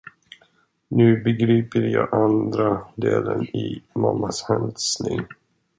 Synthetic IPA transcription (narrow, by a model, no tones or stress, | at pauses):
nʉ̟ːbɛɡɾiːpəɾjɑːʔand̪ɾad̪eːlənɪmamːashɛnd̪snɪŋ